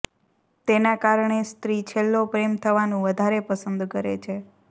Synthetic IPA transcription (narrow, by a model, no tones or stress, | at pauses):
t̪enakaɾɳest̪ɾit͡ʃʰelːopɾemt̪ʰəʋanũʋəd̪ʱaɾepəsənd̪kəɾḛt͡ʃʰe